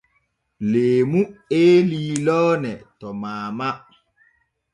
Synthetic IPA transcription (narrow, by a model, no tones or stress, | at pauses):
leːmueːliːlɔːnɛtɔmaːma